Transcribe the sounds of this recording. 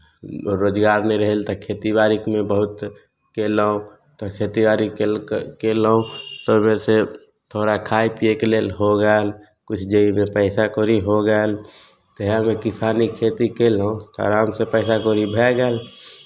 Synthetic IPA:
ɾoːd͡ʒɡaːɾneɾəɦɛlt̪ɔkʰet̪ibaɾikmẽbəɦut̪ | keləũ | t̪ɔkʰet̪ibaɾikkelũt̪omese | t̪ʰoɾakʰajpiekelelɦoɡəl | kut͡ʃʰd͡ʒəimepəɪsakoɾiɦoɡəl | t̪əɦamekisanikʰet̪ikelũt̪ɔ̰ɾaːmsepəɪsakoɾibʱɛɡəl

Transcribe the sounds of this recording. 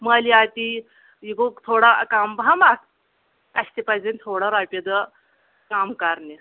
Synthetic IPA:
maliat̪i | jiɡot̪ʰoɽakambamak̚ | kaɕt̪ipad͡zenʲt̪ʰoɽaɾapʲed̪ə | kamkaɾne

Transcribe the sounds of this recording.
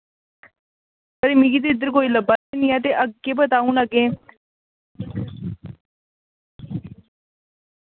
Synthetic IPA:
kəɾemĩɡiːt̪̬eɪd̪əɾkoːiːləbaeniːãːt̪̬eʔəɡkːeːbət̪aːũːləɡẽː

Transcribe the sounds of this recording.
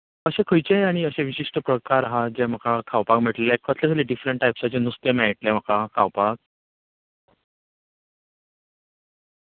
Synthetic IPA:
əɕẽkʰəjt͡ɕeaɽ̃iəɕẽʋiɕiʂʈəpɾəkaɾɦad͡ʑɛm̤əkʰakʰawpakm̤əʈlekʰət̪ʰlekʰəleɖifɾeɳʈːajpsat͡ɕenust̪jəmɛʈlɛm̤əkakʰawpak̚

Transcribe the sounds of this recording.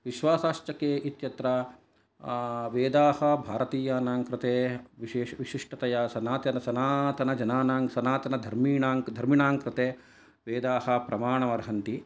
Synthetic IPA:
ʋiʃʋaːsaːʃt͡ʃɐkeːʔit̪jɐt̪ɾɐ | ʋeːd̪aːhɐbʱaːɾɐt̪iːjaːnaːŋkɾɪt̪eːʋiʃeːʋiʃiʂʈɐt̪ɐjɐsɐnaːt̪jɐnɐsɐnaːt̪ɐnɐd͡ʒɐnaːnaːŋsɐnaːt̪ɐnɐd̪ʱɐɾmiːɳaːŋkd̪ʱɐɾmiɳaːŋkɾɪt̪eː | ʋeːd̪aːɦɐ̆pɾɐmaːɳɐmɐɾɦɐnt̪i

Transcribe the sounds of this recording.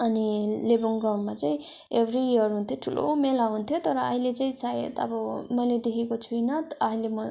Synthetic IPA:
ʌnilebuŋɡraw̃ɳɖmat͡saĩ | ebʱɾiiʌrɦunt̪ʰjoʈʰulʔo̰melaunt̪ʰjot̪ʌɾʌːɦilet͡saĩsaɦḛt̪ʌ̰bʌmʌjled̪ekʰekot͡sʰujnʌt̪ʌɦilemʌ

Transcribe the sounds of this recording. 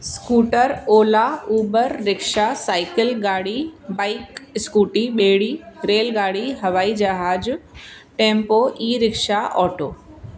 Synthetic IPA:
skuːʈəɾoːlauːbəɾːɪkʃasaːɪkɪlɡaːɽibaːɪkskuːʈiɓeːɽiːɾeːlɡaːɽiɦɐʋaːid͡ʒɐɦaːd͡ʒ | ʈẽːmpoːiːɾɪkʃaʔɔːʈoː

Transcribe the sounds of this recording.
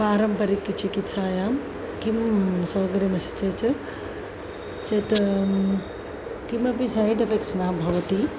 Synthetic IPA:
paːɾɐmpɐɾikːit͡ʃikit̪saːjaː | kimsoːɡɐɾimɐsi̥t͡ʃɐt͡ʃ | t͡ʃɐt̪ | kimɐbisajɖɐfeksnaːbʱɐʋɐt̪i

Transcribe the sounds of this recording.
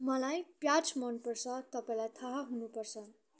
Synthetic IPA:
mʌlajpjat͡smʌnpʌrt͡sʰʌt̪ʌpaĩlajt̪ʰaɦaɦunupʌrt͡sʰʌ

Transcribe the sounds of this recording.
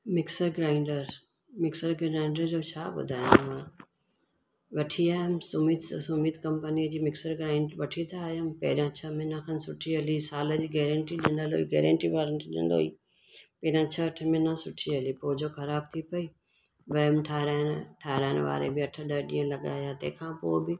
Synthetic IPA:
mɪksəɾɡɾãːɪ̃ɳɖəɾ | mɪksəɾɡãɪ̃ɳɖəɾd͡ʑoːt͡ɕʰaːɓʊ̰d̪ʱaːjõmmãː | ʋɐʈʰiaːɦʊmɪsʊmiːd̪sʊmiːd̪kɐ̃mpəniəd͡ʑiːmɪksəɾɡɾãːɪ̃ɳɖʋɐʈʰit̪ʰaːjʊmɪpɐ̰ɦɪɾãt͡ɕʰɐmẽnãkʰanɪsʊʈʰiɦɐlisaːlə̆d͡ʑiːɡɛːɾə̃ɳʈiɗɪ̃nd̪əlo̰ːiɡɛːɾə̃ɳʈiʋaːɾənɗḭ̃nd̪o̰ːḭ | pɐːɪɾjãt͡ɕʰəːʈʰə̆mẽnasʊʈʰiɦɐlipoːɦɪd͡ʑoxɐɾaːb̚t̪ʰipɐi | ʋɐəmʈʰaːɾaːɪnʈʰaːɾaːɪnʋa̰ːɾḛbɪɐʈʰəɗɐɗĩːə̃lɐɠa̰ːjat̪ɐ̰̃ɦɪ̃kʰãːpoːɪbɪ

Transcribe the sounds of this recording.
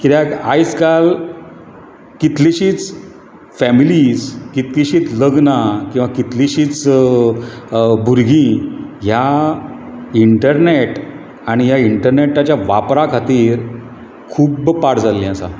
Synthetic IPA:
kit̪jakajskal | kit̪liɕiːt͡s | fɛmiliskit̪kiɕiːt͡sləɡnakĩw̃ʋakit̪liɕiːt͡s | bʱuɾɡĩja | iɳʈəɾneʈ | aɽ̃ijaiɳʈəɾneʈat͡ɕjaʋapɾakʰat̪iːɾ | kʰuːbpaɽd͡zalːĩasa̰

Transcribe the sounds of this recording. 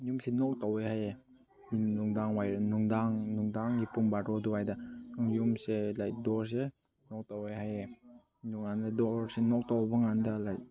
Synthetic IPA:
jumsenɔk̚tɔweɦaje | minuŋdaŋwajɾnuŋdaŋnuŋdaŋipuŋbaɾɔduwajdaaŋjumselajdɔɾs̬e | nɔk̚tɔweɦaje | nuŋandadɔɾsenɔk̚tɔwbaŋandalaj

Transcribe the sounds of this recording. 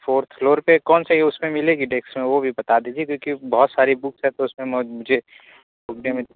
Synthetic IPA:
fʰoːɾt̪ʰfloːɾpekɔːnseeʊsmẽmɪleɡiɖeːksmẽʋobʱibɐt̪ad̪iːd͡ʒiekjõːkibɔɦt̪saːɾibʊksɦɛ̃t̪oʊsmẽmmʊd͡ʒʱe | bʊɡnemẽ

